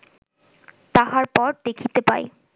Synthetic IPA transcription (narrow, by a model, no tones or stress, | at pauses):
t̪aɦaɾpɔɾd̪ekʰit̪epa̰e